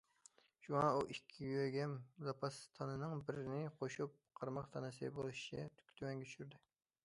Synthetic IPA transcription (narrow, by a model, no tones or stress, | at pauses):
ʃuŋɑuʔikʲʰːiɡʲwøɡʲɛmzɑpʰɑst̪ʰɑnɨnɨŋbɪɾɪnɪqʰoʃup̚qʰɑɾmɑqt̪ʰɑnɨsɨbolˠuʃi̥t͡ʃʰɛt̪ʰy̥kʲt̪ʰymɛŋɡʲɛt͡ʃʰy̥ʃyɾd̪ɪ